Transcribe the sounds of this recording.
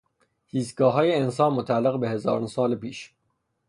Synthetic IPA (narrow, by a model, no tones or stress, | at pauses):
hiːsɡɒːɦɒːjeensɒːnmot̪ʰælːeɣbe̞ɦe̞zɒːɾonsɒːlepiːʃ